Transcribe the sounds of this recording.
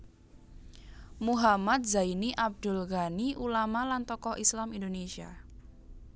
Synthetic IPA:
muɦamat̪̚zainiʔab̚d̪̥ʊ̤lɣaniʔulamalant̪ɔkɔʔislamindonesia̰

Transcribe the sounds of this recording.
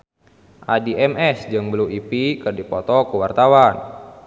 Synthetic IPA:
ʔadiʔɛmɛsd͡ʒɨŋbluipikɨrdipɔt̪ɔkuwart̪awan

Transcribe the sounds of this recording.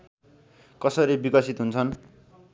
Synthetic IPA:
kʌsʌɾibikʌsit̪ɦunt͡sʰʌn

